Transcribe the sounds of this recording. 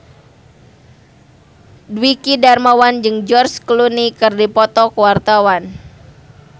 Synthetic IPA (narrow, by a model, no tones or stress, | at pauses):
dwikidarmawand͡ʒɨŋd͡ʒɔrsklunikɨrdipɔt̪ɔkəwart̪awan